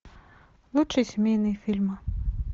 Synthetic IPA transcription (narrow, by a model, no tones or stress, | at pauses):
lˠut͡ʂɨjsʲmʲejnɨjfʲilʲmɐ